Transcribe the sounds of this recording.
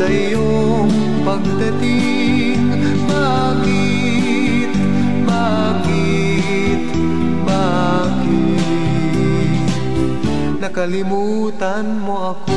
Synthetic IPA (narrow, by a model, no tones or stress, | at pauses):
ɐʔɪjo | ŋ | pɐɡ̚d̪ɐt̪ɪ | ŋ | ba | kɪ | t̪̚ | ba | kɪ | t̪ | ba | kɪ | t̪ | nɐkɐlɪmuː | t̪ɐnmoɐko